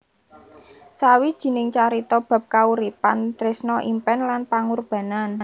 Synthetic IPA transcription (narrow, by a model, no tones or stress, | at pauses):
sawid̥ʒ̥i̤nɪŋt͡ʃaɾit̪ɔb̥a̤p̚kauɾipant̪ɾɪsnɔʔimpɛnlanpaŋurb̥ä̤nan